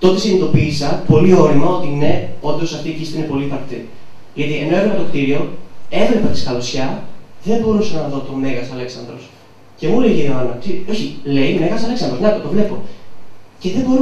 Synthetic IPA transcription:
t̪o̞t̪e̞sinit̪o̞piːsɐpo̞lio̞ɾimɐo̞t̪ine̞o̞nd̪osɐft̪iːcist̪iine̞po̞litɐɾt̪e | ʝɐt̪ie̞no̞e̞xumɐt̪okt̪iɾio̞e̞vlepet̪i̥skɐlosçɐðe̞mbo̞ɾusɐnɐðo̞t̪o̞me̞ɣɐsɐle̞ksɐnd̪ɾos | ce̞mule̞iʝeɾoɐnɐt̪io̞çile̞ime̞ɣɐsɐlesɐnd̪ɾoznɐk̪ot̪o̞vle̞po̞ | ce̞ðe̞bo̞ɾu

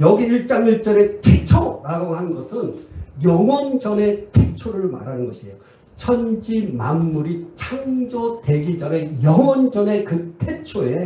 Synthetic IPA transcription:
jʌɡiːɭt͡ɕ͈amiɭt͡ɕ͈ʌɾe̞tʰet͡ɕʰoɾaɡohannɡʌsʰɯnjʌŋwʌnd͡ʑʌne̞tʰet͡ɕʰoɾɯɭma̰ɾanɯnɡʌɕʰiejo | t͡ɕʰʌnd͡ʑimamːuɾit͡ɕʰaŋd͡ʑʌte̞ɡid͡ʑʌne̞jʌŋwʌnd͡ʑʌne̞kɯtʰe̞t͡ɕʰoe̞

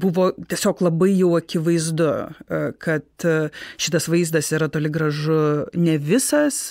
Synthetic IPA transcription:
bʊʋoːt̪ʲiɛsʲoːklˠɐbɐɪjɛʊɐkʲɪʋɐɪzd̪ʊkɐt̪ʃʲɪt̪ɐsʋɐɪzd̪ɐsiːɾɐt̪oːlʲɪɡɾɐʒʊnʲɛʋʲɪsɐs

